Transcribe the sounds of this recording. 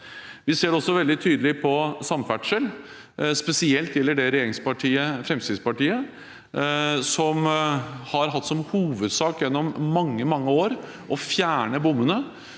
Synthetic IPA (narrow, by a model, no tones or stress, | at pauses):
ʋɪseːɖɛɔsːɔʋɛld̪ɪt̪ʰyːd̪əlɪpʰɔsɑmfæʈʂəl | spɛsɪɛlt̪jɛlːəɖɛɾɛjeːɾɪŋspɑʈʰiːəfɾɛmst̪ɪːd̪spɑʈiːə | sɔmhɑɾɦɑt̪ːsɔmhuːʋəd̪sɑːkjɛnːɔmːɑŋːəmɑŋːəoːɾ | ʔɔfjæːɳəbʊmːənə